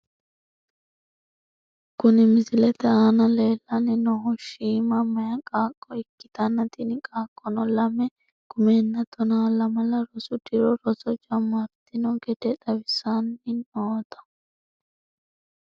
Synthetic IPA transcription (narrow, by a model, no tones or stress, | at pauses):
kʊnɪmɪzɪlɛt̪ɛaːnɐleːlːɐnɪnɔɔʃiːmɐmɐjɐkʼaːkʼːɔɪkːɪ̥t̪ɐnːɐt̪inɪkʼaːkʼːɔnɔlɐmɛ | ɡ̥ʊmeːnːɐt̪ɔnaːlɐmɐlɐɾɔsʊd̪ɪɾɔɾɔsɔd͡ʒɐmːat̪ːɪnɔɡɛd̪ɛᶑɐbɪsanːɪnoːt̪ɐ̥